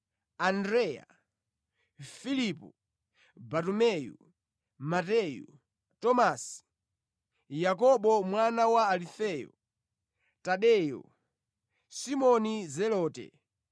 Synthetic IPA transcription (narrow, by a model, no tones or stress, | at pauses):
andɾɛja̰ | filipɔ | batumɛjṵ | matɛjṵ | tɔmasi̥ | jak̬ɔɓɔmwanawaːlifɛjɔ̰ | taɗɛjɔ̰ | simɔnizɛlɔːtɛ̰